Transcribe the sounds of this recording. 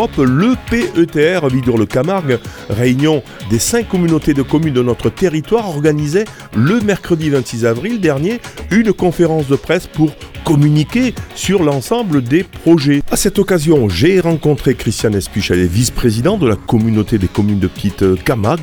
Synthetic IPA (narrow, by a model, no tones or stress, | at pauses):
ɔpləpeøt̪eɛʁvid̪ɔʁləkamaʁɡ | ʁeynjɔ̃ | d̪esɛ̃kːɔmynot̪ed̪əkɔmynd̪ənɔt̪χət̪eʁit̪waʁɔʁɡanize | ləmɛʁkχəd̪ivɛ̃nt̪sizavʁild̪ɛʁnjeynkɔ̃feʁɑ̃sd̪əpχɛspuʁkɔmynikʲesyʁlɑ̃sɑ̃bləd̪epχɔʒeasɛt̪ɔkazjɔ̃ʒeʁɑ̃kɔ̃t̪χekχist̪janɛspiʃɛlevispχezid̪ɑ̃d̪əlakɔmynot̪ed̪ekɔmynd̪əpə̥t̪it̪kamaɡ